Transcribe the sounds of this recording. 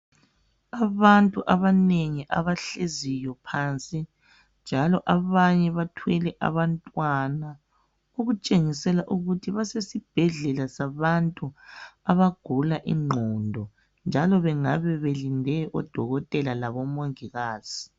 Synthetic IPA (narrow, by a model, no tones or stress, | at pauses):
aβantʼuʔaβaneŋiʔa̰βaɬezijɔpʰaːnt͡sʼi | nd͡ʒʱalɔʔaβaɲɛβatʰwɛlɛʔa̰βantʼwana | oɣut͡ʃʼeŋisɛlaʔuɣutʰiβasesib̥ʱɛɮɛlasaβantʼuaβaɡ̥ʱulaʔḭŋ͡ǃʱɔndʱɔ | nd͡ʒʱalɔβɛŋaβɛβelindʱɛʔɔd̥ʱɔɣɔtʼɛlalaβɔmoŋiɣaːz̥i